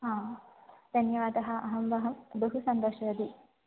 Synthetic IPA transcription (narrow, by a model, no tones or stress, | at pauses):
ɦãːd̪̥ʱɐnjɐʋaːd̪ɐɦɐ̆ʔɐɦɐmbɐɦɐmbɐɦusɐnd̪oːʃɐɾɐd̪i